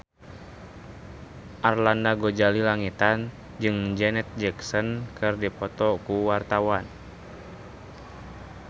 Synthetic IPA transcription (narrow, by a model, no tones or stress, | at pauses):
ʔarlandaɡod͡ʒalilaŋit̪an | d͡ʒɨŋd͡ʒɛnɛt̪̚d͡ʒɛksɔnkʰɨrdipɔt̪ɔkuwart̪awan